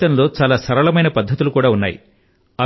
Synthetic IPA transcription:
ɐnlo̞ːt͡ʃaːlaːsɐɾɐɭɐmɐjnɐpɐd̪ʱːɐt̪ulukuːɽaːunːa̰ːjḭ | ɐ

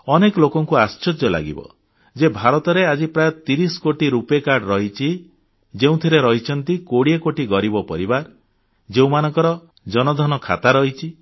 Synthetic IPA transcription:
ɔnekɔlokɔŋkuast͡ʃɔd͡ʒjɔla̰ɡḭbɔ̰ | d͡ʒebʱaɾɔt̪ɔɾead͡ʒipɾajɔt̪iɾisɔ̥koʈiɾupekaɾɖɾɔɦit͡ʃʰi | d͡ʒeũt̪ʰiɾeɾɔɦit͡ʃʰɔnt̪ikoɽiekoʈiɡɔɾibɔpɔɾibaɾ | d͡ʒeũmanɔŋkɔɾɔ | d͡ʒɔnɔd̪ʱɔnɔkʰat̪aɾɔɦit͡ʃʰi

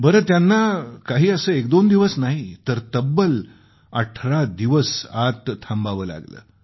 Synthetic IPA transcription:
bəɾəːt̪janːakaɦiːəsəːek̚d̪ond̪iʋəsnaɦit̪əɾt̪əbːəl | ə̰ʈʰɾad̪iʋəsat̪t̪ʰambaʋəːla̰ɡlə̰ː

